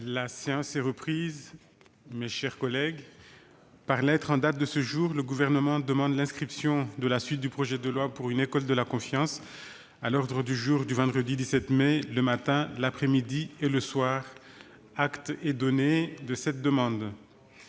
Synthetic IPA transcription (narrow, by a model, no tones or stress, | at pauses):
laseɑ̃sɛʁəpχiz | meʃɛʁkɔlɛɡ | paʁlɛt̪χɑ̃d̪at̪̚d̪əsəʒuʁləɡuvɛʁnəmɑ̃d̪əmɑ̃d̪lɛ̃skχipsjɔ̃d̪əlasɥit̪̚d̪ypχɔʒɛd̪əlwapuʁynekɔld̪əlakɔ̃fjɑ̃s | alɔʁd̪ʁəd̪yʒuʁd̪yvɑ̃d̪ʁəd̪id̪isɛt̪meləmat̪ɛ̃lapχɛmid̪ieləswaʁ | akt̪ɛd̪ɔned̪əsɛt̪̚d̪əmɑ̃d̪